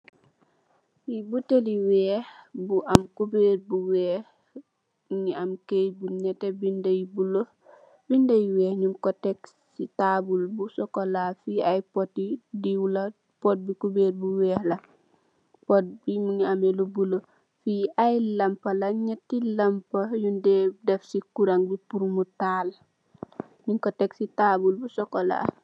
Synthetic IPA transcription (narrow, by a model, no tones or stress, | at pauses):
fibuteliwɛːhbuʔamkubeːɾbuwɛːh | ɲiamkejbunɛtɛbindejbulo | bindejwɛːhɲimkɔtɛks | itabulbusɔkɔlafiajpɔtːidiwulɐ | pot̚bikubeːɾbuwɛːhlɐ | pot̚bimuŋamelubulo | fiajlɐmpɐlɐɲetːilɐmpɐjundedɛfsikuɾaŋbipuɾumutaːl | ɲuŋkoteksitaːbulbusokola̰ː